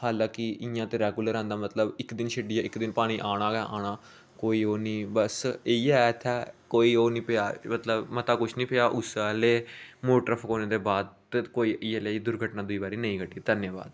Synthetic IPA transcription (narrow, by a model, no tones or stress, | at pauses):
haːlãːkɪɪjãːt̪eːɾɛːɡuːləɾãnd̪aːmət̪ləbɪkd̪ɪnʃʰɪɖɪjaːɪkd̪ɪnpaːɽ̃iːʔaːɽ̃aːɡaːʔaːɽ̃aː | koːiːoːnĩːbəseiɛt̪ʰaːkoːiːoːnĩːpɪjaːmət̪ləbmət̪aːkʊt͡ʃʰnĩːpeaːʔʊsaleːmoːʈɾəpʰkoːneːd̪eːbaːd̪t̪koːiːʔɪːeleːd̪ʊɾɡʱəʈnãːd̪ʊiːbaːɾiːnəĩːɡəʈiːt̪ənjaːba̰ːd̪̚